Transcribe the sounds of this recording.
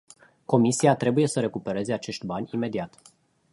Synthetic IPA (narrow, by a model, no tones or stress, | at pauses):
ko̞misiat̪ɾe̞buje̞səɾe̞kupe̞ɾe̞ze̞at͡ʃe̞ʃt̪ʲbanʲime̞d̪iat̪